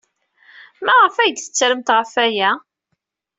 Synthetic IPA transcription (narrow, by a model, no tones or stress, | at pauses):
mæʁəfæjd̪θə̥t͡sːɾəmt̪ʁəfæjæ